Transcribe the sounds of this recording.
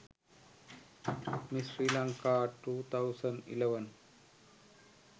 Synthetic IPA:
misɾiːlãŋkaʈuːt̪ʰaʊsə̃ɳɖḭleʋən

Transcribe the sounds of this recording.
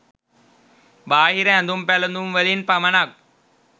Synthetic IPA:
baːɦiɾɐɛ̃nd̪umpɛlɐnd̪umʋəlinpɐmɐnak̚

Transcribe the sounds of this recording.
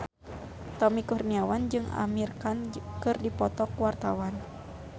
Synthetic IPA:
t̪ɔmikurniawand͡ʒɨŋa̰mirkankɨrdipɔt̪ɔkwart̪awan

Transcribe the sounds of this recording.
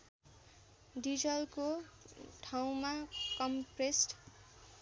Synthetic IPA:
ɖid͡zʌlkoʈʰaw̃makʌmpresʈ

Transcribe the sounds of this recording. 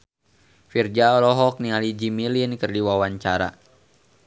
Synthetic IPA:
fird͡ʒaɔlɔɦɔk̚nialid͡ʒimilinkərdiwawaɲt͡ʃaɾa̰

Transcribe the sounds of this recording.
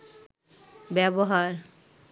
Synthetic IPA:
bɛboɦaɾ

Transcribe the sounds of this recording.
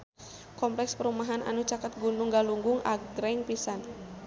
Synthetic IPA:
kɔmplɛkspəɾumaɦana̰nut͡ʃakat̪̚ɡunuŋɡaluŋɡuŋa̰ɡɾɛŋpisan

